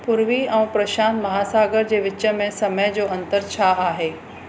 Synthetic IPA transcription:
pʊɾʋiɛ̃ːpɾɐʃaːnmɐɦaːsaːɡəɾd͡ʑeːʋɪt͡ɕːə̆mẽsɐməjd͡ʑoːɐ̃nt̪əɾt͡ɕʰaːaːɦeː

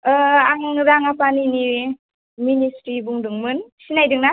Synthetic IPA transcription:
aŋɾaŋapanini | ministɾibuŋdɯŋmɯnsinajdɯŋna

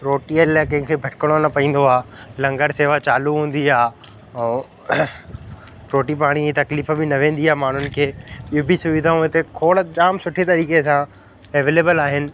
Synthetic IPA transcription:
pɾoːʈiɐllakɐ̃ɦɪ̃ksebʱɐʈʰɪkəɽ̃onɐpɐĩːn̆d̪oaːlɐ̃ŋɡəɾseːʋat͡ɕaːluɦũːn̆d̪iaː | ɛ̃ː | pɾoːʈip̬aːɽ̃it̪ɐkliːfbɪnɐʋẽːn̆d̪iaːmaːɳ̤ʊnɪ̆kʰeːɪɦobʱisʊʋɪd̪ʱaũɪt̪ekʰoːɽd͡ʑaːmsʊʈʰet̪ɐɾiːkesã | eʋeːleːbəlaːɦɪnɪ̆

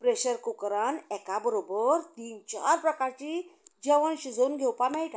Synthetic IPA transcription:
pɾeɕəɾkukɾanɛkabəɾobəɾt̪iːnt͡ɕa̰ɾpɾəkaɾt͡ɕid͡ʑəʋənɕud͡zounɡʱɛwpamɛɭʈã

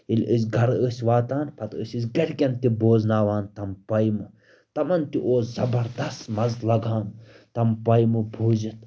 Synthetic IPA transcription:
ilʲʔəs̬ʲɡʱɐɾəsʲʋaːt̪aːnpʰɐt̪ɨsʲɨs̬ʲɡɐɽʲkʲɐnt̪iboːznaːʋaːnt̪ɐmpɐjmɨ | t̪ɐmɐnt̪iʔoːszɐbɐɾd̪ɐst̪mɐzlɐɡʱaːn | t̪ɐmpɐjmɨbʱuːzit̪

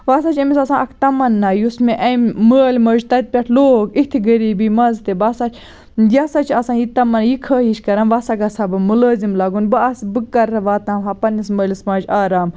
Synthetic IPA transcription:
ʋaːsat͡ʃʰɐmisɐsãːɐkʰt̪ɐmɐnːajusmeʔɐməːlʲmɐːd͡ʒt̪ɐt̪̚pʲɐʈʰloːkit̪ʰiɡɐɾiːbimɐnzt̪ebaːsat͡ʃʰ | jɐsɐt͡ʃʰɐsãːjit̪ɐmɐnjikʰɐːɦiʃkɐɾɐmʋasɐɡɐsɐbɨmulɐːzimlaːɡunbɨɐsbɨkːɐɾɐʋaːt̪ãːmɦapɐnisməːlʲismɐd͡ʒaːɾaːm

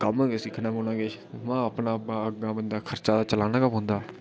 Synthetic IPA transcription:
kəmsɪkʰːnãːmoːnãːɡeːt͡ʃʰmãːəpnãːaəɡãːbənd̪aːkʰəɾt͡ʃaːd̪aːt͡ʃəlaːnãːkəmɦʊ̃nd̪aː

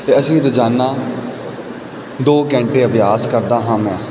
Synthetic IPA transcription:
t̪eːəsĩːɾəd͡ʒaːnːaː | d̪oːkɛ̃ːɳʈeːəbjaːskəɾd̪aːɦãːmɛ̃ː

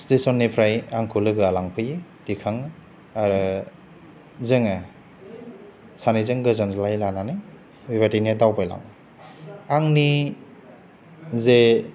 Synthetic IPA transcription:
stesɔnːipʰɾajaŋkʰulɯɡɯalaŋpʰɯjed̥ikʰaŋ | aɾɯ | zɯŋa | sʰanɯjzɯŋɡɯzanzlajlananɯ | bibatiniadawpʰajla̰ŋ | aŋni | ze

